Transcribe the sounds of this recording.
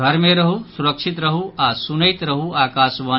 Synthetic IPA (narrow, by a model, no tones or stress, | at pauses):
ɐɾmeɾəɦusuɾəkʃʰit̪ɾəɦuasunɐjt̪ɾəɦuaːkaːsʋɐ